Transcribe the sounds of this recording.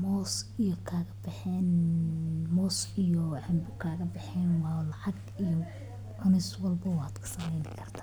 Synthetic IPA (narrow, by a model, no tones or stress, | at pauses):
mɔːsijɔkʰaːɣɐbɐħɛːn | mɔːsijɔɛbʊkʰaːɣɐbɪħɛːnwɑːlɑʕɑɡ | ijɔ | ʕʊnɛjswɐlbɐwaːd̪kʰɐ̥sɐmɛjnɪkʰɐrt̪ʰḁː